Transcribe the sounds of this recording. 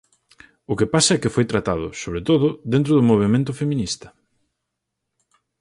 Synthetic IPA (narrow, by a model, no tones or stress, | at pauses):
ʊkɪpasɐɛkɪfojt̪ɾat̪aðʊ̰soβ̞ɾet̪oðʊðent̪̬ɾʊðʊmoβ̞emẽnt̪̬ʊfemĩnist̪ɐ̥